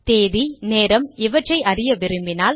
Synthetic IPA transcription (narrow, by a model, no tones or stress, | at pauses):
t̪eːðineːɾɐmɪʋɐʈrɐɪʔɐɾɪjɐʋɪɾɯmbɪnaːl